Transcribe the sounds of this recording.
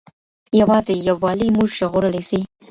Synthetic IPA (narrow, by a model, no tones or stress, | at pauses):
jawɑzejawɑlimuʒʃəɣoɾəlesi